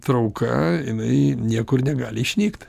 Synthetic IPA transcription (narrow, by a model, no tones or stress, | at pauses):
t̪ɾɐʊkɐ̰jɪnɐɪnʲiɛkʊrnʲɛɡɑːlʲɪiʃʲnʲiːkt̪